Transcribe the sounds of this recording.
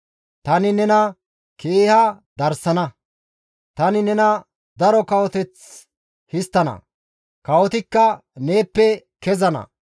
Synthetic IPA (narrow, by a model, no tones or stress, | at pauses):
t̪ɐnɪnɛnɐ | kʰeːhɐd̪ɐɾsɐnɐ | t̪ɐnɪnɛnɐ | d̪ɐɾɔkɐwɔt̪ɛt͡s | hɪst̪ːɐnɐ̰ | kɐwɔt̪ɪkːɐne̞ːpːɛ | kɛzɐnɐ̰